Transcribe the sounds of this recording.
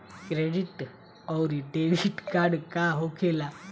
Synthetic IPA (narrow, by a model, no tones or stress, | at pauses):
kɾeɽiʈ | əwɾiɖeʋiʈkaɾɽkaɦokʰela